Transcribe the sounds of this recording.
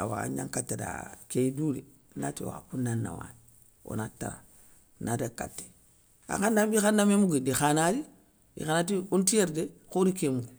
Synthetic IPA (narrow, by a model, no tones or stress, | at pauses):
a̰wa̰ɲaŋkatːada̰keidule | natḛwa̰punanːa̰wa̰n | o̰nata̰ɾa̰ | nadakatːe̥ | a̰kandambixanːamemuɡidixanadi | dḭxanat̬iuntijeɾdekoɾikemuɡu